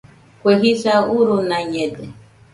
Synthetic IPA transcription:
kʷeɦisauɾunaɲɛdɛ

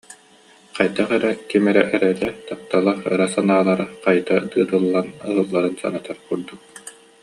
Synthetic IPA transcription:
qajd̪aχɛɾɛkimɛɾɛʔɛɾɛlɛt̪ap̚t̪alˠaχɯ̰ɾasanaːlˠaɾaqajd̪ad̪ɯːt̪ɯlˠːanɯɦɯlˠːaɾɯnsa̰nɯt̪aɾkuɾd̪uk̚

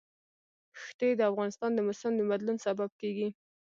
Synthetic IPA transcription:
xt̪ed̪əafɣɑnɪst̪ɑnd̪əmʊsamd̪əmad̪lunsabab̚keɡi

